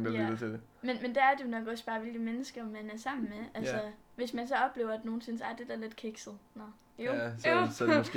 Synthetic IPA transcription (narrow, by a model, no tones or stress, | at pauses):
idt͡sʰede | menmend̥eæɐd̥e̝jo̝nɒ̽ɡ̥ɒ̽sb̥ɑ̈ːʋe̝lɡ̥əmenəsɡ̥ɐmænæɐsɑ̈m̰n̩meʔælsɐ | ʋe̝smænsɒ̽ɒ̽b̥le̝ːʊ̰ɐæd̥no̝ːn̩se̝n̩sɒæɐd̥e̝d̥æɐle̝d̥kʰeɡ̥sð̩ˠnɒ | jossɒds